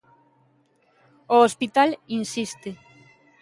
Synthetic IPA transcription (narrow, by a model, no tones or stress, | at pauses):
oospit̪alinsist̪e